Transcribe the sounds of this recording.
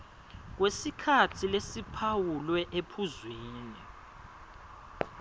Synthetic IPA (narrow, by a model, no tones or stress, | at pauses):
k̬wesikʰatʰilesipʰawulwɛʔepʰuzwiːni